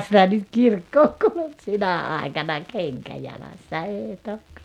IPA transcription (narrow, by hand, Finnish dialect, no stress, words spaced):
sitæ nyt kirkːoːŋ kuluk sinæ ɑˑikɑnɑ keŋkæ jɑlɑsːɑ eːĭ tok